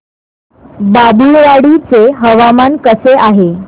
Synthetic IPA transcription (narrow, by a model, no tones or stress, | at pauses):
babuɭʋaɽit͡seɦəʋamankəseʔaɦe